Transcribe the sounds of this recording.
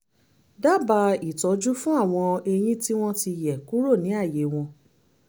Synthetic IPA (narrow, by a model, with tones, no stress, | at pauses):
da˦˨ba˧i˨tɔ˨˦d͡ʒu˦fũ˦a˦˨w̃ɔ̃˧e˧j̃ĩ˦ti˦w̃ɔ̃˦ti˧jɛ˨ku˦ɾo˦˨nĩ˨˦a˦˨je˨˦w̃ɔ̃˧